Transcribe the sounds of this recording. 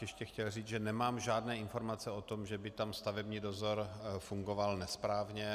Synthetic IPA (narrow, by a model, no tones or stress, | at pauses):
jɛʃcɛxcɛlriːt͡sʒɛnɛmaːmʒaːdnɛːɪnfo̞ɾmat͡sɛot̪o̞mʒɛbɪt̪amst̪avɛbɲiːdo̞zo̞ɾfuŋɡo̞valnɛspɾaːvɲɛ